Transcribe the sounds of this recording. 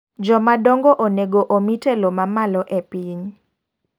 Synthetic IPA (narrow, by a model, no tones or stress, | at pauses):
d͡ʒɔmadɔŋɡoʔoneɡoʔomitelomamalɔʔepiɲ